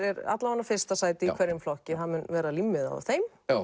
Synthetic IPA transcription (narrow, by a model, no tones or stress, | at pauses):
ɛɾa̰t̪lavanːafɪr̥st̪asaːjt̪ɪikʰvɛɾːɪmflɔhcɪθanmʏnvɛːɾalimːɪða̰ð̰θejm